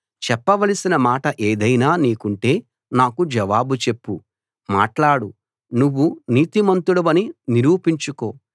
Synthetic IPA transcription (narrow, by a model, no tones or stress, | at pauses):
t͡ʃɛpːɐʋɐlɐsinɐmaːʈɐʔe̞ːd̪ɐjnaːniːkuɳʈe̞ː | naːkud͡ʒɐʋaːbut͡ʃe̞pːu | ma̰ːʈlaːɽu | nuʋːuniːt̪imɐnt̪uɽɐʋɐniniɾuːpiɲt͡ʃuko̞ː